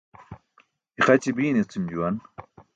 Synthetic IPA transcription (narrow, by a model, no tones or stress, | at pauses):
iχɐt͡ɕibiːnet͡sʰumd͡ʑuwɐn